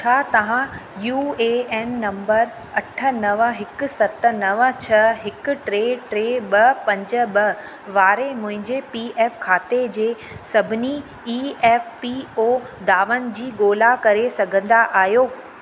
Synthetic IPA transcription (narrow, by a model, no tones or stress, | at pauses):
t͡ɕʰaːt̪ɐʋ̤ãjuːeːɛːnːɐ̃mbəɾ | ɐʈʰə̆nɐʋəɦɪkʊ̆sɐt̪ənɐʋət͡ɕʰɐɦɪkʊ̆ʈɾeːʈɾeːɓɐpɐ̃ɲd͡ʑə̆ɓɐ | ʋaːɾemʊ̃ɦɪ̃ɲd͡ʑepiːɛːfkʰaːt̪ed͡ʑeː | sɐbʱɪni | iːɛːfpioːd̪aːʋənɪ̆d͡ʑiːɠoːlakɐɾesɐɡʱə̃nd̪aʔaːɦjoː